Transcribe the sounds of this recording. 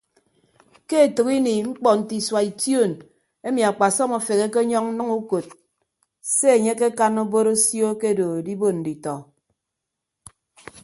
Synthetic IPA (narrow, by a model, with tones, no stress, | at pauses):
ke˦e˨tɨ˨ki˦ni˨ŋ͡m̩˦k͡pɔ˨n̩˨ti˨swa˨i˨tjo˦˨n | e˦mi˨a˨k͡pa˨sɔ˦ma˨fe˨ɣe˦ke˦ɲɔ˦ŋ̩˦nɨ˦ŋu˦ko˨t̚ | se˦e˨ɲe˦ke˦ka˦no˦bo˦ɾo˦sjo˦ke˦˨do˨di˦bo˦tn̩˨di˨tɔ˨